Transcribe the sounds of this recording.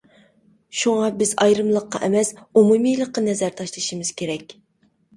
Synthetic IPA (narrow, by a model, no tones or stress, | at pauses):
ʃuŋɑbɪzɑjɾɨmlˠəqːɑ̰ʔɛmɛsumumijlˠəqːɑnɛzæɾt̪ʰɑʃlˠɨʃimɨz̥kʲʰeɾɛkʲ